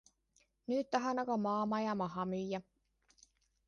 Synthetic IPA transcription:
nyt̪t̪ɑɦɑnɑkɑmɑːmɑjɑmɑɦɑmyjːæ

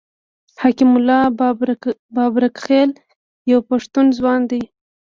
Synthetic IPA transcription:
hakimʊlːɑ | bɑbɾakxel | jawpaʂt̪unzwɑnd̪ij

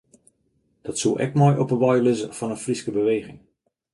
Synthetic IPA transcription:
d̥ɔtsulˠʔɛ̰kmɔjʔɔpəʋɔjlɪzəfɑnənfriskəbəʋejɣɪŋ

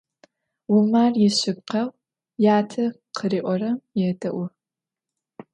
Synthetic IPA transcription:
wʊmaːrjɪɕɪb̚qɐw | jaːtʰɐ | qʰəriːʔʷɔrɐmjɛdʰɐʔʷʊ

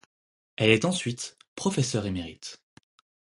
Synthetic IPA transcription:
ɛlɛt̪ɑ̃sɥit̪pχɔfesœʁemeʁit̪

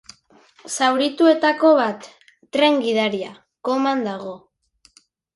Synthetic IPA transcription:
sawɾit̪ue̞t̪ako̞β̞at̪ː | ɾe̞ŋɡiðaɾia | ko̞mand̪aɣ̞o̞

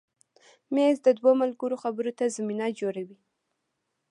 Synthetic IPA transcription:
mezd̪əd̪womalɡəɾoxabəɾot̪azaminad͡ʒoɾawi

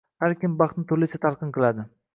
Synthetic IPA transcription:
haɾkʲɪmbɑχt̪nɪt̪ʰʊɾlɪt͡ʃʰat̪ʰaɾqʰɨnqʰɨlˠad̪ɪ

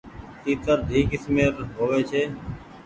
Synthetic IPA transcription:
t̪iːt̪əɾd̪ʱiːkɪsmeːɾɦoːʋeːt͡ʃʰeː

